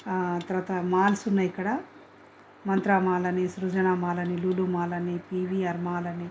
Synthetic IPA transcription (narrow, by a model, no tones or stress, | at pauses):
t̪ɐɾʋaːt̪ɐmaːlsunːɐikːɐɽɐ | mɐnt̪ɾaːmaːlɐnisɾud͡ʒɐnaːmaːlɐniluːlumaːlɐnipiːʋiɐɾmaːlɐni